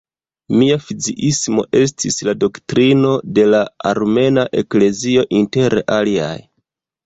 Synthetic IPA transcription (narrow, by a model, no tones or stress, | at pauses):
miafid͡ziʔismo̞̰ʔe̞s̬tʰislado̞ktɾino̞de̞laa̰ɾme̞naʔe̞kle̞zio̞ʔinte̞ɾʔalia̰j